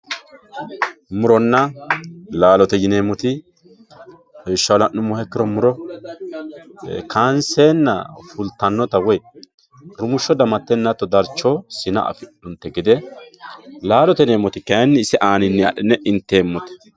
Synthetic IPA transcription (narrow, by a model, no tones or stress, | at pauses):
mʊɾɔnːɐ | laːlɔt̪ɛjɪneːmːɔt̪ɪ | hɔʃːɐwlɐʔʊmːɔhɛkːɪɾɔmʊɾɔ | kaːnseːnːɐ̰fʊlt̪ːɐnːɔt̪ɐwɔj | ɾʊmʊʃːɔd̪ɐmɐt̪ːɛnːɐt̪ːɔd̪ɐɾt͡ʃːɔsɪnɐ̰ʔɐ̰fɪᶑʊnt̪ːɛɡɪd̪ɛ | laːlɔt̪ɛneːmːɔt̪ɪkɐjnːɛɪsɛʔaːnɪnːɛɐɗɛnːɛʔɪnt̪ːeːmːɔt̪ɛ̥